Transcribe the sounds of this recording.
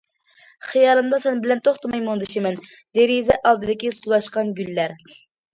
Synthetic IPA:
χijɑːlˠɨmd̪ɑsɛnbɪlɛnt̪ʰoχt̪ʰɨmɑjmond̪ɨʃimɛn | d̪eɾizɛʔɑlˠd̪ɨd̪ɪkʲisuzˠɑʃqɑnɡʲylːæɾ

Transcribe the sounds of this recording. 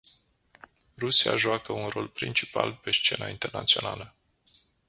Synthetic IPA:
rusia̰ʒuakəunro̞̰lpɾint͡ʃi̥pa̰lpe̞st͡ʃe̞naint̪e̞rnat̪sionalə

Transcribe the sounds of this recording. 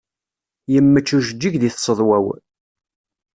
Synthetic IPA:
jəmːət͡ʃːuʒəd͡ʒːiʝðiθsˤəðˤwæw

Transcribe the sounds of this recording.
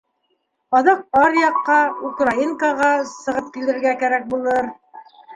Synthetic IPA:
ɒðɑq̚ɑɾjɑqːɑukraiŋkaʁɑsɤ̆ʁɤp̚kilɘ̆ɾɡækæɾæk̚bulˠɤɾ

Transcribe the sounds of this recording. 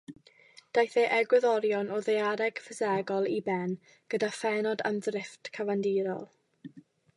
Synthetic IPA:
d̥ajθeʔɛɡwɛðɔɾjɔnʔɔðejaɾɛɡ̥fəzɛɡɔlˠibɛn | ɡ̥ədafɛnɔda̰mðrɪftkʰavandiɾɔlˠ

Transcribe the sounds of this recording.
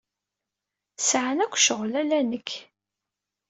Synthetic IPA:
sʕənækʷːʃəʁlælænəkː

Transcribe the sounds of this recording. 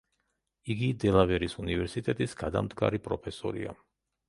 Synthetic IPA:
iɡid̪ɛlˠavɛɾisunivɛɾsit̪ʼɛt̪ʼisɡad̪a̰md̪ɡaɾipʼɾɔpʰɛsɔɾḭa̰

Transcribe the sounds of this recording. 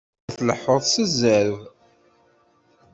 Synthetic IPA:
æθləħːoðˤsəzəɾv

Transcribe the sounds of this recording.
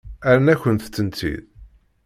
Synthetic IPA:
æɾənæçənθt͡sːənt̪ʰḭð

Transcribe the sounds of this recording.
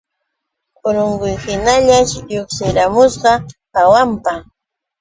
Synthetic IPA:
ʊɾʊŋɢʊjhɪnaʎaʃjoχsɪɾamʊsɢɑpawampa

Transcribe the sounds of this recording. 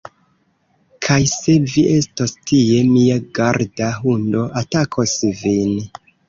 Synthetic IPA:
kʰajse̞viʔe̞stostie̞miaɡaɾdaɦundo̞ʔatakʰosvin

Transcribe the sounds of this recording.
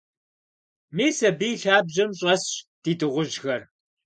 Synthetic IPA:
miːsɐbiːɬaːbʑɐmɕʼɐsɕd̥iːdɨʁʷʊʒxɐr

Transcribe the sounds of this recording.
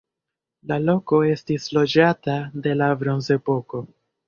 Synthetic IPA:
lalo̞ko̞e̞stislo̞d͡ʒatade̞labɾo̞nze̞po̞ko̞

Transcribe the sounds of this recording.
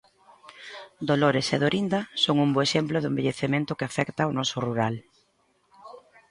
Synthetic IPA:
d̪oloɾeseðoɾind̪ɐsoŋumboeʃemplʊðʊembeʎeθemẽnt̪ʊkɪafɛkt̪aonɔsʊruɾal

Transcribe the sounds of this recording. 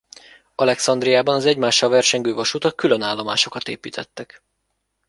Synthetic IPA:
ɒlɛksɒnd̪rijaːbɒnɒzɛɟmaːʃːɒlvɛrʃɛɲɡøːvɒʃut̪ɒkylø̞naːlːo̞ma̰ːʃo̞kɒt̪ḛːpiːt̪ʰɛt̪ːɛk

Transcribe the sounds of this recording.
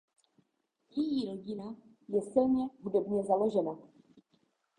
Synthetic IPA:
jɛjiɾoɟɪna | jɛsɪlɲɛɦudɛbɲɛzalo̞ʒɛna

